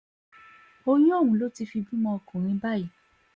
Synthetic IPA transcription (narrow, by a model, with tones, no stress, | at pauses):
o˧j̃ũ˦ɔ˦˨wũ˨˦lo˨˦ti˧fi˧bĩ˦mɔ̃˧ɔ˧kũ˨ɾ̃ĩ˧˦ba˦˨ji˨